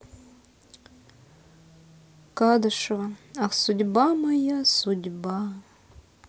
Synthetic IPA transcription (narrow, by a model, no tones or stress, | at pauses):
kad̪ɨʂvɐasudʲbamɐjasudʲba